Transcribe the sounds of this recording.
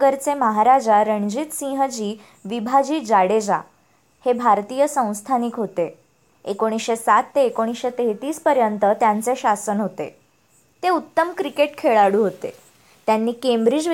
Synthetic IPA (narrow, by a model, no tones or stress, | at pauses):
ɡəɾt͡seməɦaɾad͡ʑaɾəɳd͡ʑit̪sĩɦəd͡ʑiː | ʋibʱad͡ʑiːd͡ʑaɽed͡za̰ | hebʱaɾt̪iːjəsə̃w̃st̪ʰanikɦot̪e | ekoɽ̃isɕesat̪ːeekoɽ̃isɕet̪eɦt̪iːspəɾjənt̪ət̪jant͡seɕasənɦot̪ḛ | t̪eut̪ːəmkɾikeʈkʰeɭaɽuːɦot̪ḛ | t̪janːiːkembɾid͡ʑ